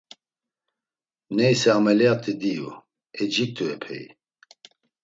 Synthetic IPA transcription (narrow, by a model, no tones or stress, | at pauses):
nɛjsɛamɛlijat̪ʰid̪ijṵ | ɛd͡ʒik̚t̪ʰuɛpʰɛ̰j